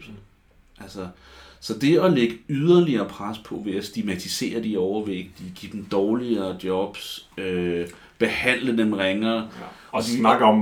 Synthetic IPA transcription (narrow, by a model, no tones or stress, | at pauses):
ʔælsɐ | sɒ̽d̥e̝ɒ̽leɡ̥əyð̞ˠɐliɐːpʰʁaspʰɒ̽ʋe̝æsd̥iɡmæt͡sʰise̝̰ːɐd̥iɒʊɐʋe̝ɡ̥̚d̥iɡ̥id̥m̩d̥ɒːliɐːd̥jɒ̽b̥sø | b̥e̝hæn̰ləd̥emʁeŋɐɒ̥inɑɡ̥ɒ